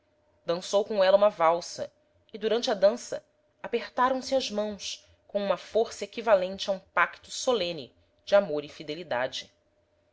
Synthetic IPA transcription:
d̪ɐ̃sowkõɛlɐũmɐvawsɐ | ɪd̪uɾɐ̃nt͡ʃɐd̪ɐ̃sɐ̰ | apeχt̪aɾɐ̃w̃sɪɐʒmɐ̃w̃s | kõũmɐfoɾsɐekivalẽnt͡ʃɪaũpakt̪ʊsolẽnɪ̰ | d͡ʒɪamoɾɪfid̪elid̪a̰d͡ʒɪ

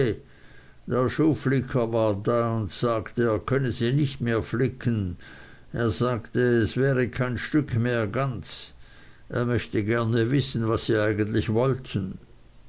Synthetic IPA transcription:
d̥eːɐʃuːflɪkʰɐvaːɐdaːʊntsaːktəeːɐkʰœnəziːnɪçtmeːɐflɪkʰən | ʔeːɐzaːktəɛsv̥ɛːʁəkʰaɪnʃtʏkʰmeːɐɡant͡s | ʔeːɐmœçtəɡɛɐnəvɪsn̩vasːiːaɪɡəntlɪçvɔltʰən̩

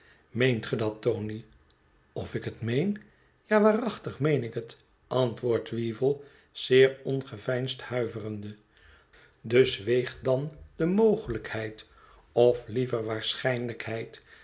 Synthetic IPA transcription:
mejntχədɑtowni | ɔfɪkətmejn | jaːʋaːrɑχtəχmejnɪkət | ʔɑntʋʊːɹtʋivəlˠ | z̥ɪːɹɔnχəvɛjnsthœɥvərəndə | dɵsʋejχ̚dɑnd̥əmowχələkhɛjt | ɔflivərʋaːɹsχɛjnləkhɛjt

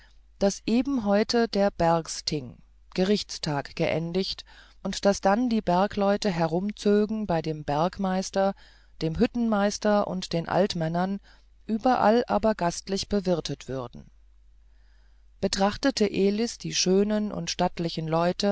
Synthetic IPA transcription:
d̥asʔeːbm̩ɦɔʏtʰədeːɐbɛɐkstʰɪŋ | ɡ̥əʁɪçt͡stʰaːkɡ̥əʔɛ̰ndɪçt | ʔʊntd̥asd̥andiːbɛɐklɔʏtəɦɛɐʁʊmt͡søːɡŋ̩baɪdeːmbɛɐkmaɪstɐ | d̥eːmɦʏtn̩maɪstɐʔʊ̰ntd̥eːnʔa̰ltmɛnɐn | ʔyːbɐʔa̰lʔa̰ːbɐɡastlɪçb̥əvɪɐtʰətv̥ʏʁdn̩ | b̥ətʁ̥aχtətəʔeːlɪsd̥iːʃøːnənʔʊ̰ntʃtatlɪçn̩lɔʏtʰə

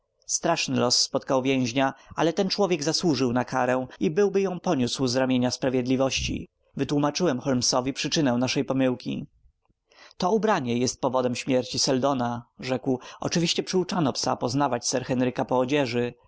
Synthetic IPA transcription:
st̪ɾaʂnɘlɔsːpɔt̪̚kawvʲjɛ̃w̃ʑɲaa̰lɛt̪ɛnt͡ʂwɔvʲjɛɡzaswuʐɘwnakʰaɾɛw̃ibɘwbɘjɔ̃w̃pɔɲuswzɾamʲjeɲaspɾavʲjɛd̪lʲivɔɕt͡ɕḭ | vɘt̪wumat͡ʂɘwɛmxɔlmsɔvʲipʂɘt͡ʂɘnɛ̃w̃naʂɛjpɔmɘwkʲḭ | t̪ɔubɾaɲɛjɛst̪̚pɔvɔd̪ɛmɕmʲjɛɾt͡ɕisɛld̪ɔnaʐɛkwɔ̰t͡ʂɘvʲiɕt͡ɕɛpʂɘut͡ʂanɔpsapɔznavat͡ɕsɛɾxɛnɾɘkapɔːd͡ʑɛʐɘ

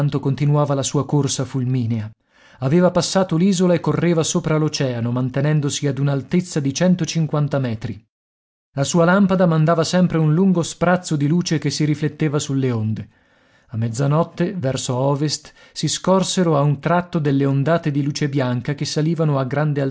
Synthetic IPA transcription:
nt̪okont̪inuaːvalasuːakorsafulmiːnea | aveːvapasːaːt̪oliːzolaekːorːeːvasoːpɾalot͡ʃɛːanomant̪enɛnd̪osiad̪unalt̪et̪sːad̪it͡ʃɛnt̪ot͡ʃiŋkwant̪amɛːt̪ɾi | lasuːalampad̪amand̪aːvasɛmpɾeunluŋɡospɾat̪sːod̪iluːt͡ʃekesːiɾiflet̪ːeːvasulːeond̪e | amːɛd̪zːanɔt̪ːevɛrsoɔːvest̪ | siskɔrseɾoaunt̪ɾat̪ːod̪elːeond̪aːt̪ed̪iluːt͡ʃebjaŋkak̟esːaliːvanoaɡɾand̪ea

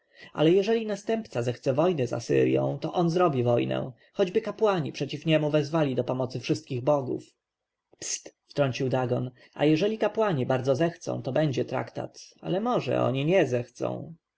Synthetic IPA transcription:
a̰lɛjɛʐɛlʲinast̪ɛmpt̪sazɛxt̪sɛvɔjnɛza̰sɘ̰ɾjɔ̰̃w̃t̪ɔʔɔnzɾɔbʲivɔjnɛ̰ | xɔd͡ʑbɘkapwaɲipʂɛt͡ɕifɲɛmuvɛzvalʲid̪ɔpɔmɔt̪sɘfʂɘst̪̚kʲiɣbɔɡṵf | pst̪ft̪ɾɔɲʲt͡ɕiwd̪aɡɔn | a̰jɛʐɛlʲikapwaɲibaɾd̪zɔzɛxt̪sɔ̰̃w̃t̪ɔbɛɲd͡ʑɛt̪ɾa̰kt̪a̰t̪a̰lɛmɔʐɛ̰ɔ̰ɲiɲɛzɛxt̪sɔ̰̃w̃

